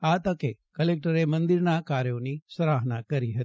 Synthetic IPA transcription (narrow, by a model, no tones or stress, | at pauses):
at̪əkekəlek̚ʈəɾemənd̪iɾnakaɾjonisəɾaɦnakəɾiɦət̪i̥